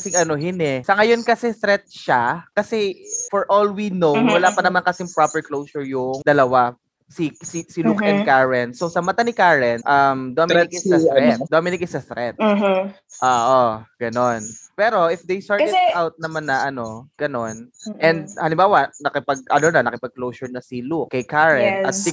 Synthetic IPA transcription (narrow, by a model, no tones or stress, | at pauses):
kɐsɪŋʔɐnoɦɪnɛsɐŋɐjo̞nkɐsɛst̪ɾɛt̪̚ʃakɐsɛfɔɹʔolwinowwɐlaːpɐnɐmankɐsɪŋpɾapɛɹklowsʊɹjʊŋd̪ɐlɐwa | sisisɪlukɛ̃nkaɹɛnsowsɐmɐt̪anɪkaɹɛnʔɐmd̪omɪnɪkɪsɐsɾɛt̪̚d̪omɪnɪk̚ɪsɐst̪ɾɛt̪̚ː | ʔoʔoɡ̥ɐnonpɛːɾo̞ʔɪfd̪ejst̪aːɹawt̪̚nɐmanːɐʔɐno̞ɡ̥ɐno̞nʔɛ̃nd̪̚hɐlɪmbaːwɐnɐkɪpɐɡ̚ɐ̰lonɐnɐkɪpɐɡ̚klowsʊɹnɐsɪlukkːɐjkaɹɛnʔɐt̪̚sɪ